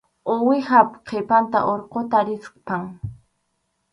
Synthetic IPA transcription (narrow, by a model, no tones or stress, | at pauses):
owɪhapqʰepant̪a̰ʔoɾqot̪aɾɪsqpaŋ